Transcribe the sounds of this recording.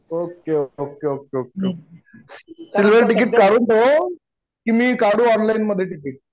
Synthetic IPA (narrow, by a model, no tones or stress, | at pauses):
okeookeokeoke | silʋ̤ʱeɾʈikiːʈkaɽuːnt̪o | kimiːkaɽuːɔnlajnməd̪ʱːjeʈik̬iʈ̚